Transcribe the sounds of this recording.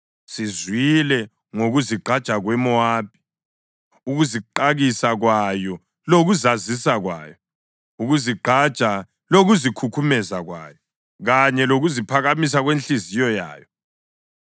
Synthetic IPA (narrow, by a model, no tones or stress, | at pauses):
sizwilɛ | ŋoɣuziɡ͡ǃʱad̥t͡ʃʼaɣwɛmɔaːp̚ʰʼi̥ | uɣuziǃaɣisaɣwajɔ | loɣuzazisaɣwa̰ːjɔ | uɣuziɡ͡ǃʱḁt͡ʃʼa | loɣuzikʰukʰumɛzaɣwa̰ːjɔ | ɣaɲɛloɣuzipʰaɣamis̬aɣwent͡ɬizijɔja̰ːjɔ